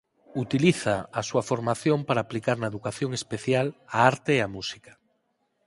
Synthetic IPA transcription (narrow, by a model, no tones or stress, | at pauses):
ut̪iliθaːsuafoɾmaθjompaɾaːplikaɾnaeðukaθjoŋespeθjalaaɾt̪eːamusi̥kḁ